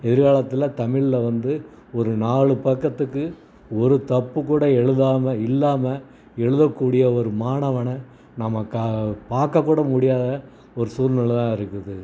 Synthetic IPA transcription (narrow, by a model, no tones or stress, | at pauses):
ɛðɪɾɣaːɭɐt̪ːɪlɐt̪ɐmɪɭɪlɐʋɐnd̪ɯ | ɔɾɯnaːɭɯpɐkːɐt̪ːɯkːɯ | ɔɾɯt̪ɐpːɯkːuːɽɐɛɻɯðaːmɐɪlːaːmɐ | ɛɻɯðɐkːuːɽɪjɐɔɾɯmaːɳɐʋɐɳɐ | nɐmːɐkɐpaːɾkːɐkːuːɽɐmʊɽɪjaːðɐ | ɔɾɯsuːɾnɐɭt̪ãːɪɾɯkːɯðɯ